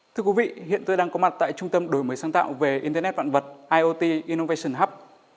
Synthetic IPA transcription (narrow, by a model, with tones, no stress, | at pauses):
t̪ʰɨ˧əkwvḭ˧˨ɦḭ˧˨ənt̪o˧jɗaː˧ŋkɔ˨˦ma˨˩t̚t̪a̰ː˧˨jt͡ɕʊ˧ŋ͡mt̪ə˧mɗo˨˩˦jməː˨˦jsaː˨˧˦ŋt̪a̰ː˧˨wve˨˩ʔi˧nt̪ə˧nɛ˦˥va̰ː˧˨nvə˨˩t̚ʔaː˧jʔo˧t̪i˧ʔi˧no˧ve˧sə˨˧˩nɦa˦˥p̚